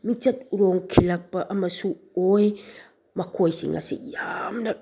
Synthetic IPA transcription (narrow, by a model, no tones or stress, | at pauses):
mit͡ʃatuɾoŋkʰilak̚paʔamasu | oj | makʰojsḭŋa̰sḭjamna